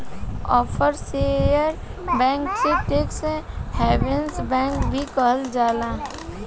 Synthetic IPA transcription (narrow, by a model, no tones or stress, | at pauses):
ɔːpʰəɾsejəɾbɛ̃ːŋkseʈeksheːbensbɛ̃ːŋkbʱikəɦəld͡ʒaːlaː